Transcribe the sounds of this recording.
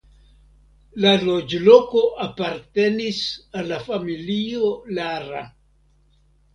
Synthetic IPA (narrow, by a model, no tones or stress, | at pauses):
lalod͡ʒloko̞ʔapaɾte̞nisalːafamiliolaɾa̰